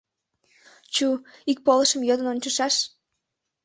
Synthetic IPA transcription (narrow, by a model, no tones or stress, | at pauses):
t͡ɕuik̚poləʃəmjød̪ənonʲt͡ɕəʃɑʃ